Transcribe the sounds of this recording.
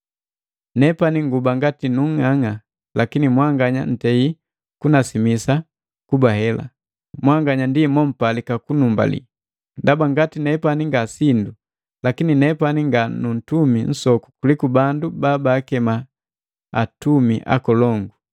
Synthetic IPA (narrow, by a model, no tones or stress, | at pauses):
nɛpaniŋɡubaŋɡatinuŋaŋa | lakinimwaŋɡaɲan̩tɛi | kunasimisa | kubahɛla̰ | mwaŋɡaɲandimɔm̩palikakunumba̰lḭ | ndabaŋɡatinɛpaniŋɡasindu | lakininɛpaniŋɡanun̩tumin̩sɔku̥kulikubandubabaːkɛma | atumiʔa̰kɔlɔŋɡu